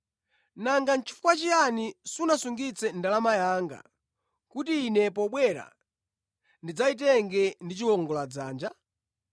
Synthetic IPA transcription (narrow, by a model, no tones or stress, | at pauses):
naŋɡan̩t͡ʃʰi̥fu̥kwat͡ʃijanisunasuŋɡit͡sɛndalamajaːŋɡa̰ | kutiːnɛpɔɓwɛɾa̰ | ndid͡zait̬ɛŋɡɛndit͡ʃiwɔŋɡɔlad͡zaːnd͡ʒa